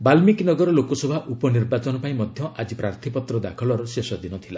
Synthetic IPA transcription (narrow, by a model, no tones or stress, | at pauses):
balmiknɔɡɔɾɔlokɔsɔbʱaʔupɔniɾbat͡ʃɔnɔpaĩmɔd̪ʱjɔʔad͡ʒipɾaɾt̪ʰipɔt̪ɾɔd̪a̰kʰɔlɔɾɔsesɔd̪inɔt̪ʰila